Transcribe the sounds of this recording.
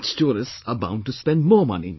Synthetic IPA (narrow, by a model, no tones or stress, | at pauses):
stɔːɾɨ̃səbã̰ʊ̃n̚ʈuspɛ̃ndmɔːmʌ̰nḭ